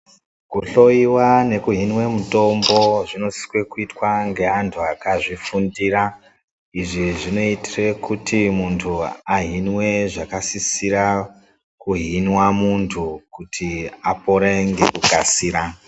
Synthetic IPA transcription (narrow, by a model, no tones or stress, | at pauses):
kuɬo̞iwane̞kuɦinwe̞muto̞mbo̞ʐino̞si̥kwe̞kuitwaŋɡe̞ɦantʰuakaʐifundira | iʐiʐino̞itirekutʰimuntʰuaɦinwe̞ʐakasisiɾa | kuɦinwamuntʰukutʰiapo̞ɾeŋɡe̞̰kukasiːɾa